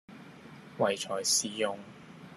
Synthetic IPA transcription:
wɐ˨˩jt͡ʃʰɔː˨˩jsiː˨jʊ˨ŋ

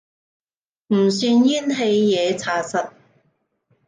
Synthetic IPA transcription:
m̩˨˩syː˧njiː˥nɦe˧jːɛː˨˧t͡sʰaː˧sɐ˨t̚

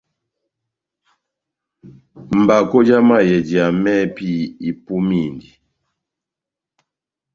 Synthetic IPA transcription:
m̩˨ba˨kɔ˦d͡ʒa˦ma˦jɛ˨d͡ʒi˨a˨mɛ˦pi˦˨i˨pu˦mi˦˨ndi˨

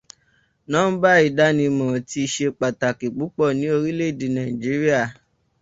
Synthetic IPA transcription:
nãː˦n̩˦ba˦i˦˨da˦nĩ˧mɔ̃˨ti˧i˧ʃe˧k͡pa˨ta˨ki˨k͡pu˨˦k͡pɔ˦˨nĩ˨˦o˧ɾi˦le˦i˨di˨nã˨ĩ˨d͡ʒi˨˦ɾi˦a˦˨

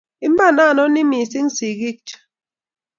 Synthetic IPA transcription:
i˦m̩˦ba˦˨na˦˨nɔ˦ni˦mi˨si˦ŋ̩˦si˨ɡi˦k̚t͡ʃ

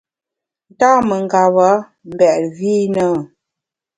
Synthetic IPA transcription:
n̩˨taː˦mə˨ŋ˨ɡa˨βa˨˦ | m̩˨bɛ˨ʔɾviː˦nə˦

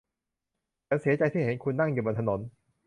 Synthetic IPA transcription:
t͡ɕa˦˥nsi˨˩˦ɐt͡ɕa˧jt̪ʰiː˥˩e˩˦nkʰu˧nːa˥˩ŋjuː˨˩bo˧nt̪ʰno˩˦n

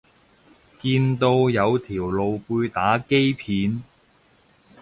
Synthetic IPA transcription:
kiː˧nt̪o˧wjɐ˨˧wt̪ʰiː˨˩wlo˨˧wpuː˧jt̪aː˨˥ke˥jpʰiː˨˧˥n

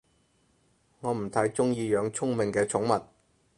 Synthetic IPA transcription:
ŋɔː˨˧m̩˨˩t̪ʰɐ˨˥jt͡sʊ˥ŋjiː˧jœː˨˧ŋt͡sʰʊ˥ŋmɪ˨ŋkɛː˧t͡sʰʊ˨˥ŋmɐ˨t̚

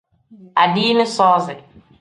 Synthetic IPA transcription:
a˨ɖiː˦nɪ̃˦sɔː˦zɪ˨

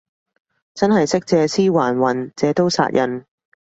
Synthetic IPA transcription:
t͡sɐ˥nɦɐ˨jsɪ˥k̚t͡sɛː˨˧siː˥waː˨˩nwɐ˨˩nt͡sɛː˨˧t̪o˥wsa̰ː˧t̚jʔɐ˨˧n

